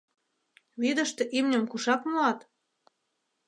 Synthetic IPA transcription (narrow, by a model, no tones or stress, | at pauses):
βid̪ə̆ʃt̪ɤ̆ʔimnʲə̆mkuʃɑkmuɑt̪